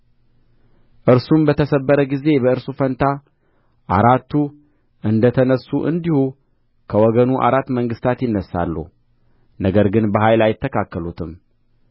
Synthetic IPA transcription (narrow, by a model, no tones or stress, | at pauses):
ʔɨɾsumbət̪ʰəsəbːəɾəɡize̞bəɨɾsufənt̪ʰa | ʔaɾat̪ːu | ʔɨnd̪ət̪ʰənəsːuʔɨ̰nd̪ihu | kʰəwɔɡənuʔa̰ɾat̪ːməŋɡɨst̪ʰat̪jɪnːəsːa̰lːṵ | nəɡəɾɡɨnbəɦajlajɪt̪ʰːəkʰakːəlut̪ʰɨm